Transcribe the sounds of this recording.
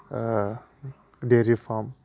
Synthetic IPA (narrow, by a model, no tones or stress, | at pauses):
ɖeɾifam